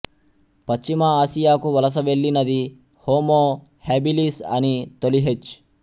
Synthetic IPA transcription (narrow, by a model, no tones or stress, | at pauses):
pɐt͡ʃt͡ʃːimɐaːsijaːkuʋɐlɐs̬ɐʋe̞ɭːinɐd̪i | hoːmoː | haːbiliːsɐ̰nit̪oliɦet͡ʃː